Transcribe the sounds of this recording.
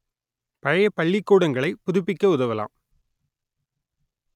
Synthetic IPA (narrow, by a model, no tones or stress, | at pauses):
pɐɻɐjɐpɐɭːɪkːuːɽɐŋɡɐɭɐɪpʊðʊpːɪkːɐʊðɐʋɐla̰ːm